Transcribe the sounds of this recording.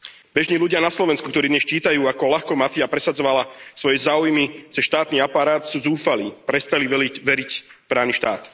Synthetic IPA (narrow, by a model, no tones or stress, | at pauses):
bɛʒɲiːluɟɪanaslɔʋɛnskuk̚t̪ɔɾiːd̪ɲɛst͡ʃiːt̪ajuːakɔlaxkɔmafiapɾɛsad͡zɔʋalasʋɔjɛzaːujmit͡sɛʃt̪aːt̪niːapaɾaːt̪suːzuːfaliːpɾɛst̪aliʋɛiʋɛɾicpɾaːʋniːʃt̪aːt̪